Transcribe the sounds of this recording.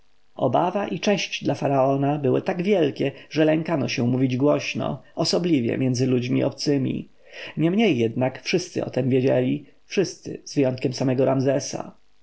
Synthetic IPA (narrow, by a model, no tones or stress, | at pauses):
ɔ̰bavaʔit͡ʂɛɕt͡ɕd̪lafaɾaɔnabɘwɘ̰t̪aɡvʲjɛlkʲɛʐɛlɛŋkanɔɕɛmuvʲid͡ʑɡwɔɕnɔ̰ɔsɔblʲivʲjɛ̰mʲjɛndzɘlud͡ʑmʲiʔɔpt̪sɘmʲḭ | ɲɛmɲejːɛd̪nakfʂɘst̪sɘ̰ɔ̰t̪ɛmvʲjed͡ʑɛlʲi | fʂɘst̪sɘ̰zvjɔnt̪kʲɛmsamɛɡɔɾamzɛsa̰